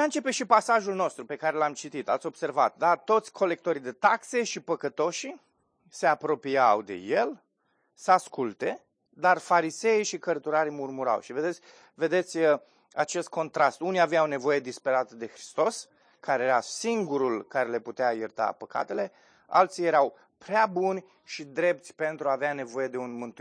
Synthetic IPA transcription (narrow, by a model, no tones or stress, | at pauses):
ant͡ʃe̞pe̞ʃipasaʒulno̞st̪ɾupe̞kaɾelamt͡ʃit̪it̪a̰t̪sʲo̞b̥se̞rvat̪̚d̪at̪ːo̞t̪sʲkʰo̞le̞k̚t̪o̞ɾid̪e̞t̪akse̞ʃipəkət̪o̞ʃi | se̞apɾo̞piawd̪e̞̰je̞l | səaskult̪e̞ | d̪arfaɾise̞iʃikərt̪uɾaɾimurmuɾa̰wʃive̞d̪esʲ | ve̞d̪e̞t̪sʲə | at͡ʃe̞st̪̚kʰo̞nt̪ɾast̪unijaveawne̞vo̞je̞d̪ispe̞ɾat̪əd̪e̞xɾi̥st̪o̞s | kaɾejeɾasiŋɡuɾulkaɾe̞le̞put̪eajert̪a̰pəka̰t̪e̞le̞ | a̰lt̪sije̞ɾaw | pɾeabunʲ | ʃid̪ɾe̞p̚t̪sʲpe̞nt̪ɾuaːveane̞vo̞je̞d̪e̞unmɨnt̪